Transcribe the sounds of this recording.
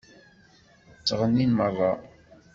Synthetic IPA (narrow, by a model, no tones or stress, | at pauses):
t͡sːʁənːinmərˤːɑ